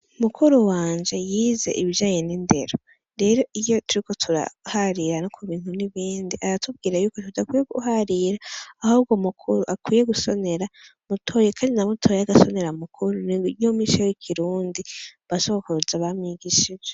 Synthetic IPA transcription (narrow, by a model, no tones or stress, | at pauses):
umukʰuɾuwaːnd͡ʒe̞jiːze̞̰ʔiβiʒaːɲe̞ninde̞̰ɾo | ɾe̞ːɾo̞ʔijo̞tuɾiko̞tʰuɾa̰haɾiɾanokʰuβiːn̥huniβiːndiʔaɾatʰub̚ɡiːɾajuːko̞tudakwiːjeɡṵhaɾiɾaːhub̚ɡomukʰuɾuʔakwiːje̞ɡuso̞ne̞ɾa | mutʰo̞jekʰaːndinamutʰo̞jaɡaso̞ne̞ɾamukʰuɾunijomiʃojikʰiɾuːndiβasoβokuuzaβamɲiɡiʃid͡ʒe